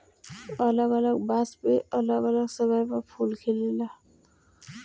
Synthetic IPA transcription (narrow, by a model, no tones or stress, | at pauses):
ʌləɡʌləɡbaspeʌləɡʌləɡsəɡajpapʰulkʰelela